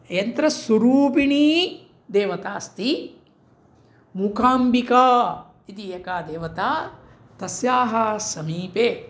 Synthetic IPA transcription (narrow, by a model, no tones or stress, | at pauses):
jɐnt̪ɾɐsuɾuːpiɳiː | d̪eːʋɐt̪aːst̪i | mukʰaːmbikaː | it̪ijɐkaːd̪eːʋɐt̪aː | t̪ɐsjaːɦɐsɐmiːpeː